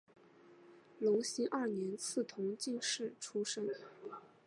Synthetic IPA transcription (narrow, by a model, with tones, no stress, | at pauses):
lo˧˥ŋɕi˥ʔɐ˥˩njɛ˧˥nt͡sʰɹ̩˥˩t̪ʰʊ˧˥ŋt͡ɕi˥˧nʂɻ̩˥˩ʈ͡ʂʰu˥ʂə˥n